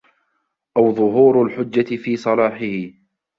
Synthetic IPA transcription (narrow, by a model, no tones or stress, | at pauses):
ʔawðˤʊɦuːɾalħʊd͡ʒːat̪ɪfiːsˤɑlɑːħɪhɪ